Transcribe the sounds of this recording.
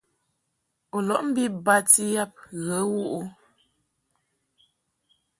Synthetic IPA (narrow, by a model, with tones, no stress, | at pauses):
o˨lɔ˨˦ʔm̩˦bi˦ba˦ti˦ja˦p̚ɣə˨˦wu˦ʔu˦